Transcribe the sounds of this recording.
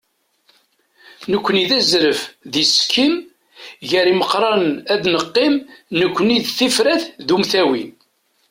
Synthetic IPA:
nəkʷːəniðæzɾəfðiskʰːim | ʝəɾiməqɾˤɑnæd̪nəqːɪmnəkʷːəniðθifɾæθðumθæwin

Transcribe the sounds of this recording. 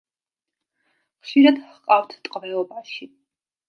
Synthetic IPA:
χʃiɾad̪qʼaft̪ʰt̪ʼqʼvɛɔbaʃi

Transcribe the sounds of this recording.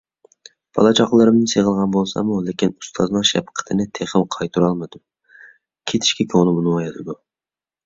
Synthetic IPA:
b̥ɑ̰lˠɑt͡ʃʰɑqlˠɨɾɨmnɨseʁəlˠʁɑnbolˠsɑ̰mulekʲinust̪ʰɑzmɑʃɛ̰p̚qʰə̥t̪ʰɨnɪt̪ʰeχɪmqʰɑjt̪ʰuɾɑlˠmɨd̪u | kʲʰet̪ʰɪ̥ʃkʲɛkʲʰoŋnɨmunɨwɑjɑt̪ʰɨd̪u

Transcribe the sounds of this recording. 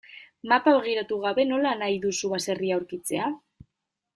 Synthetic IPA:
mapaβeɣ̞iɾat̪uɣ̞aβe̞no̞lanajðusuβase̞riauwɾkit͡se̞a

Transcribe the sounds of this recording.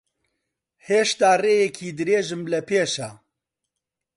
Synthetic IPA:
heːʃt̪aːreːjɛkʰiːd̪ɨɾeːʒɨmlɐpʰeːʃaː

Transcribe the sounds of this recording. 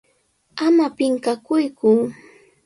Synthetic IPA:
amapɪŋkakʊjkʊŋ

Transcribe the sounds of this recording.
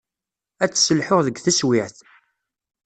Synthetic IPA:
æt͡sːsəlħʊʁðəɡθæswɪʕθ

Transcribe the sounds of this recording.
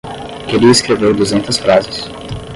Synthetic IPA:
keɾiɐiskɾeveɾd̪uzẽnt̪ɐsfɾazɪs

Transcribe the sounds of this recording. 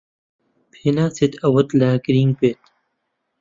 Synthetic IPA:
pʰenaset̪ɐwɐt̪laːkɾiːŋpeːt̪

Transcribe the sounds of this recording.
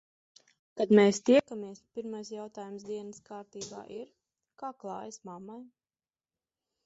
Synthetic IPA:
kad̪meːst̪iɛkamiɛspʲiɾmajs̬jawt̪aːjumsd̪iɛnɐskaːɾt̪iːba̰ːʔiɾ | kaːklˠɑ̰ːjəsmamːaj

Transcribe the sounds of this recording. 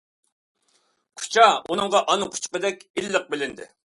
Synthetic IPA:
kʲʰu̥t͡ʃɑunɨŋʁɑʔɑnɨkʰu̥t͡ʃqəd̪ɛkʲilːəq̚bɪlɪnd̪ɪ̰

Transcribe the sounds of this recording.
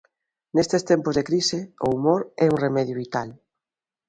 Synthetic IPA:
nest̪est̪ɛmpʊzðekɾisɪoumoɾɛuŋremɛðjʊβit̪al

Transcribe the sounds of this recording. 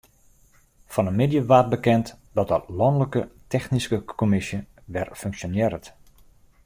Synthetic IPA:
fɔnəmɪdjəʋaːrt̚bəkɛntdɔtəlɔndələkətɛxniskəkomɪsjə | ʋɛrføŋksjonjɛɾət

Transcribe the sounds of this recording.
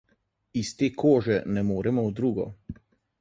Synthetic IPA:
ist̪eːkʰoːʒɛnɛmoːɾɛmɔwd̪ɾuːɡɔ̰

